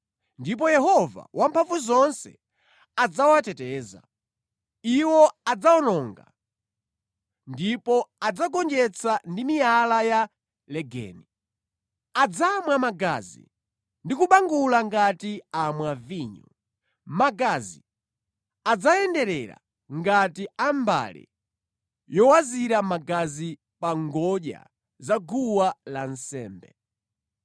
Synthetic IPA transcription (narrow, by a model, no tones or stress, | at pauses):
ndip̬ɔjɛɦɔva̰wʔampʰaɱvuzɔnsɛ̰ | ad͡zawatɛtɛːza̰ | iwɔad͡zaɔnɔŋɡa̰ | ndipɔad͡zaɡɔnd͡ʒɛt͡sʰandimijalaja | lɛɡɛ̰ːni | ad͡zamwamaɡa̰zḭ | ndikuɓaŋɡulaŋɡatiamwaviːɲɔ | maɡazi | ad͡zajɛndɛɾɛ̰ɾa̰ | ŋɡatiamba̰lɛ̰ | jɔwaziɾamaɡazi | paŋɡɔɗja̰ | zaɡuwalan̩sɛ̰ːmbɛ̰